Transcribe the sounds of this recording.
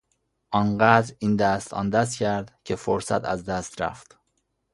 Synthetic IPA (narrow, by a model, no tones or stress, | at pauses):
ʔɒːnɢæd̪ɾiːnd̪æst̪ɒ̰ːnd̪æscʰæɾd̪cʰe̞foɾsæ̰t̪ʰæ̰zd̪æst̪ɾæ̰ft̪